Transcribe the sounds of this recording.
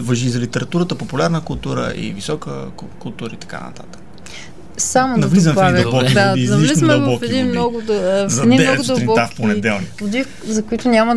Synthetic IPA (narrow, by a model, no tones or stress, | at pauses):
vɐʒizɐlit̪ɛɾɐt̪uɾət̪əpopulʲaɾnəkʊlˠt̪uɾə̰ʔḭvisɔkə̰ | kulˠt̪uɾəit̪ɐ̥ka̰nɐ̰t̪a̰t̪ə̥k | samonɐvlizəmɛdaivbɔkid̪aiznɐlit͡ʃlizndmɐlˠvbɔkfɛiimnnɔɡʊd̪zɐd̪id̪ɛɔɡ̪d̪ɐɾiɔt̪afponɛd̪ɛlˠniod̪if | zɐkʊit̪ʊnʲamə